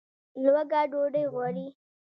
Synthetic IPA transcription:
lwaɡɑːɖoɖəjɣwaɾi

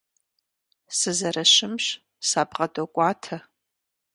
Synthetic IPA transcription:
sɨzɐrɐʃɪmɕ | saːbʁɐdokʷʼaːtʰɐ

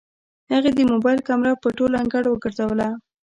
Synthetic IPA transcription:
haɣad̪əmobɑjlkamɾɑpəʈolaŋɡaɽawəɡəɾzawəla

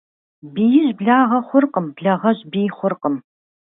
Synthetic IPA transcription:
bijɪʑbɮaːʁɐχʷʊrqəmbɮɐʁɐʑbiːjχʷʊrqəm

